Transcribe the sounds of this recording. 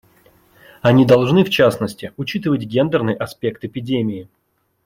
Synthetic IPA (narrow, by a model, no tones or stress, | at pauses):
ɐnʲid̪ɐlˠʐnɨft͡ɕasnəsʲtʲɪʊt͡ɕit̪ɨvətʲɡʲe̞nd̪ərnɨjʔɐspʲe̞kt̪ɪpʲɪdʲemʲɪɪ